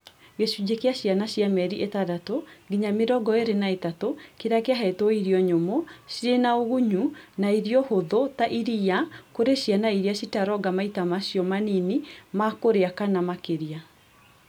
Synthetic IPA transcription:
ɣeʃud͡ʑekeaɕjanaɕjamɛɾiʔetadatoɡiɲameɾɔɡɔeɾenaetatokeɾakeaɦɛetoiɾiɔɲomoɕiɾenaoɣuɲunaiɾiɔhoðotaʔiɾiakoɾeɕianaiɾiaɕitaɾɔɡamaitamaɕiɔmaninimakoɾeakanamakeɾia

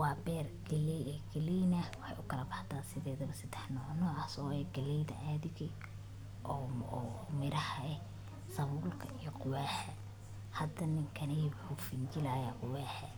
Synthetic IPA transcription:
wɑːbɛːrɡɐlɛɛɡɐliːnɐwɑħɑ̰jʔʊkʰɐlɐbɑħd̪aːsɪðɛːðɐβɐsɐd̪ɛħnɔːʕnɔasɔːɛɡɐlɛjðɐʔaːðɪɣɛ | ʔɔɔmɪɾʔɐhɐɛ | sɐβuːlkʰɐ̰ijɔqʊwaːħɛ | hɐd̪ɐnɪŋkʰɐnɛjwʊħufɪnt͡ʃɪlaːjaqʊwaːħɛ

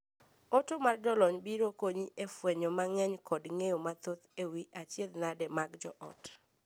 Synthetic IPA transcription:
otomard͡ʒɔlɔɲbiɾokoɲiʔefwɛɲomaŋɛɲkɔdŋejomat̪ot̪ewiʔat͡ʃjed̪nadɛmaɡd͡ʒɔʔɔ̰t

